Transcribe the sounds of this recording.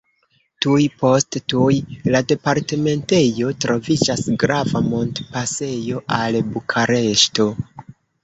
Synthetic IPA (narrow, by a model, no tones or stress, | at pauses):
tujpo̞sttujlade̞paɾte̞me̞nte̞jo̞tɾo̞vid͡ʒasɡɾavamo̞ndpase̞jo̞ʔalbukʰaɾe̞ʃto̞